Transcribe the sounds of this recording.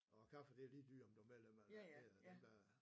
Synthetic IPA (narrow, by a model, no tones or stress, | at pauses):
ɒkʰɑfəd̥e̝æliːd̥y̰ːɒmd̥umelemælæ̥e̝d̥ed̥æ